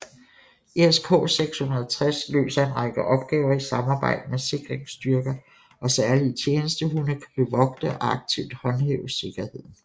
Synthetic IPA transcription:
eeskʰɔ̰ːseɡ̥shunɐðˠt͡sʰʁɛslø̰ːsɐe̝nʁɑ̈ɡ̥əʔɒ̽b̥̚ɡ̥ɛːʊɐisɑ̈mɑ̈ːb̥ɑ̈ɪ̰d̥əmese̝ɡ̥ʁeŋsd̥yɐɡ̥ɐ | ʔɒ̽sæɐlit͡sʰjeːnəsd̥əɦunəkʰæb̥e̝ʋɒ̽ɡ̥̚d̥əɒɑ̈ɡ̥̚t͡sʰiʊ̰d̥hɒ̽nheʊəse̝ɡ̥ɐhe̝ð̞̰ˠn̩

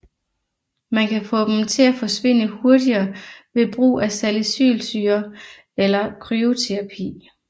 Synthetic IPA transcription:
mænkʰæfɔ̰̽ːd̥emt͡sʰe̝læfɒ̽sʋe̝n̰əho̝ɐdiɐːʋe̝b̥ʁṵːæsæləsy̰ːlsyːɐ | elɐkʰʁyo̝t͡sʰeʁɑ̈pʰḭː

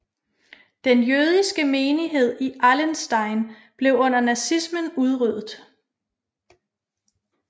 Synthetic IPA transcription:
d̥enjøːð̞ˠisɡ̥əmeːniɦe̝ð̞̰ˠiʔælensd̥ɑ̈ɪn | b̥le̝ʊɔ̽n̰ɐnæsismənuð̞ˠʁyð̰ˠð̩ˠ

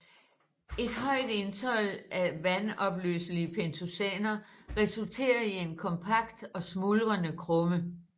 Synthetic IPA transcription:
e̝d̥ɦɒ̽ɪ̰d̥e̝nsʰɒ̽l̰ʔæʋænɒ̽b̥lø̰ːsliəpʰent͡sʰusɛ̰ːnɐʁɛsult͡sʰe̝̰ːɐie̝nkʰɒ̽mpʰɑ̈ɡ̥d̥ɒ̽smulʁɐnəkʰʁɔmə

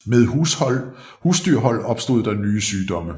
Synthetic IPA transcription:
meðˠhu | huːsd̥yɐ̰ɦɒ̽l̰ɒ̽b̥sd̥o̝ð̞̰ˠd̥ɑ̈nyːəsyːd̥ɒ̽mə

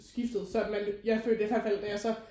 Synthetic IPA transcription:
sɡ̥ifd̥ð̩ˠsɒ̽æ̥mænjɑ̈ɪfø̰ːlɐd̥eihælfæl̰d̥æjɑ̈ɪsɒ̽

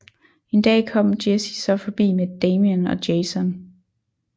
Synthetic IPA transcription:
e̝nd̥ɛ̰ːkʰɒ̽m̰d̥esisɒ̽fɒ̽b̥ḭːmed̥eːmiənɒ̽d̥eːsɔn

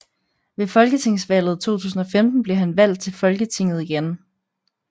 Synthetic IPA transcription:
ʋe̝fɒ̽lɡ̥ət͡sʰe̝ŋ̰sʋɛl̰ð̞̩ˠt͡sʰo̝̰ːt͡sʰṵːsn̩ɒ̽femd̥n̩b̥le̝ɦænʋæl̰d̥̚t͡sʰe̝lfɒ̽lɡ̥ət͡sʰe̝ŋ̰ð̩ˠiɡ̥en

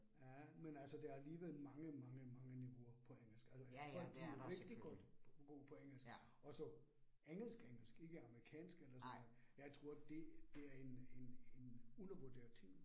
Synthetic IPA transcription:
jæmenælsɒd̥ææɐliːʋelmɑ̈ŋəmɑ̈ŋəmɑ̈ŋəniʋo̝ɐpʰɒ̽eŋ̰l̩sɡ̥ælsæfɒ̰ɡ̥̚b̥iʋe̝ɡ̥d̥iɡ̥ɔd̥ɡ̥o̝̰ːpʰɒ̽eŋ̰l̩sɡ̥ | ɒ̽sɒ̽ | eŋ̰l̩sɡ̥eŋl̩sɡ̥e̝ɡ̥əɑ̈məʁikʰɛ̰ːnsɡ̥elɐsɔ̽nð̩ˠjɑ̈ɪt͡sʰʁo̝ːɐ̰d̥e̝d̥e̝æɐene̝nenunɐʋod̥ḛːɐt͡sʰḛ

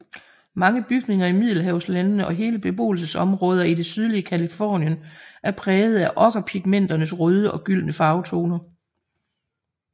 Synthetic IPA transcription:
mɑ̈ŋəb̥yɡ̥ne̝ŋɐimið̰ˠl̩ɦæʊslænnəʔɒ̽ɦe̝ːləb̥e̝b̥o̝̰ːl̩səsɒ̽mʁɔ̽ːð̞ˠɐid̥e̝syð̞ˠliəkʰælifɒ̰ːnjənʔæɐpʰʁɛːð̞̩ˠæʔɒ̽ɡ̥ɐpʰiɡ̥̚men̰d̥ɐnəs̬ʁɔð̞ˠəʔɒ̽ɡ̥yl̰nəfɑ̈ʊt͡sʰo̝ːnɐ

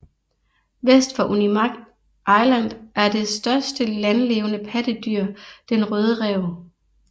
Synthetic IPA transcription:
ʋesd̥fɒʔunimɑ̈ɡ̥d̥ | ʔɑ̈ɪlæn̰dˠʔæɐd̥e̝sd̥ɶɐsd̥əlænleːʊənəpʰæd̥əd̥yɐ̰d̥enʁœːð̞ˠəʁɛʊ

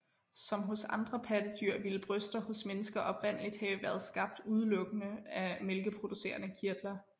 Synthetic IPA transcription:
sɒ̽mɦɔ̽sɑ̈nd̥ʁɐpʰæd̥əd̥yɐ̰ʋiləb̥ʁœsd̥ɐhɔ̽smenəsɡ̥ɐʔɒ̽b̥ʋæn̰lid̥hɛ̰ːʊʋæːɐð̞̩ˠsɡ̥ɑ̈b̥̚d̥uð̞ˠəlɔ̽ɡ̥ənəæmelɡ̥əpʰʁo̝d̥use̝̰ːɐnəkʰiɐd̥lɐ

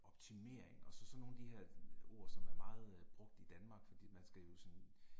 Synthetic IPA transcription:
ɒ̽b̥̚t͡sʰime̝̰ɐ̰eŋɒ̽sɒ̽sɒ̽no̝ːnæd̥iheɐ̰o̝ɐ̰sɒ̽mæɐmɑ̈ːð̩ˠb̥ʁɔ̽ɡ̥̚d̥id̥ænmɑ̈ːɡ̥fɒ̽d̥ḭːmænsɡ̥æjo̝sɒn

